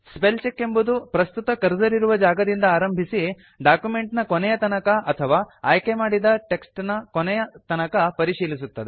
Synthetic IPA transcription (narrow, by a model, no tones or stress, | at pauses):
spelt͡ʃekːembud̪upɾɐst̪ut̪ɐkɐɾd͡ʒɐɾiɾuʋɐd͡ʒaːɡɐd̪ind̪ɐaːɾɐmbʱisi | ɖaːkjume̞ɳʈnɐkonɛjɐt̪ɐnɐkɐʔɐt̪ʰɐʋaːaːjkemaːɽid̪ɐʈe̞ksʈnɐkonɛjɐt̪ɐnɐkɐpɐɾiʃiːlisut̪ːɐd̪e